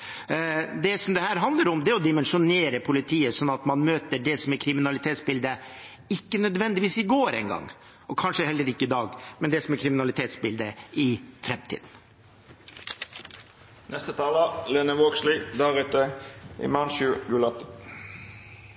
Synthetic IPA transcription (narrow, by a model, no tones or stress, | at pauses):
d̪ɛsɔmd̪ɛhæːɾɦɑnd̪ləɾʊmd̪ɛæɔd̪ɪmɛnʂʊneːɾəpʰʊlɪt̪ʰiːəsɔnːɑt̪mɑnmøːt̪əɖɛsɔmɛɾkʰɾɪmɪnɑlɪt̪ʰeːt̪sbɪld̪ə | ɪkːənœd̪ʋɛnd̪ɪʋiːsɪɡoːɾɛ̰ɪŋɡɑ̰ŋː | ɔkʰɑnʂəhɛlːəɾɪkːəɪd̪ɑːɡmɛnd̪ɛsɔmɛɾkʰɾɪmɪnɑlɪt̪ʰeːt̪sbɪld̪əɪfɾɛmt̪ʰḭːd̪n̩ | nʔɛst̪ət̪ʰɑːləleːnəʋoːɡslɪd̪ɑːʁɪt̪əʔḭmɑnʃʉːɡʉlɔt̪ə